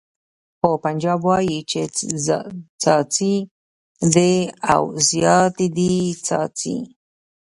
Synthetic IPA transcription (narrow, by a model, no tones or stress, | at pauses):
hopand͡ʒabwajit͡ʃet͡sat͡sat͡si | d̪ea̰wsjat̪id̪it͡sa̰t͡sḭ